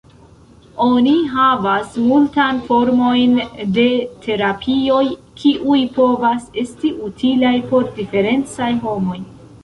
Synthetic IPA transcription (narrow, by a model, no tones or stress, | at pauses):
o̞niɦavasmultanfo̞ɾmo̞jnde̞tʰe̞ɾapʰio̞jkʰiʔujpo̞vase̞stiʔutʰilajpo̞ɾdife̞ɾe̞nt͡sajɦo̞mo̞j